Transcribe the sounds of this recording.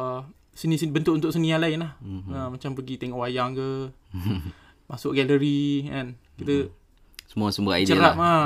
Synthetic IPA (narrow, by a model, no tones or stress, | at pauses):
sinisbənt̪ʊʔunt̪ʊʔsənĩalaɪnlahəmat͡ʃampəɡit̪ɛŋɔʔajaŋkə | masʊʔ̚ɡɛləɾiŋan | kit̪ə | səmũasəməait͡ʃəɾapa